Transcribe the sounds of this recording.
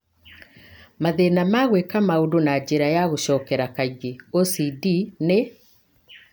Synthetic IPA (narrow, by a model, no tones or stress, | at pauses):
maðenamaɣwekamaodonad͡ʑeɾajaɣoɕɔkɛɾakaiɣeosidine